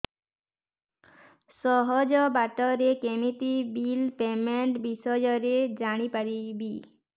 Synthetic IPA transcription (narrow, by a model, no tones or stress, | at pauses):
sɔɦɔd͡ʒɔbaʈɔɾekemit̪ibilpemeɳʈbisɔjɔɾed͡ʒaɽ̃ipaɾibi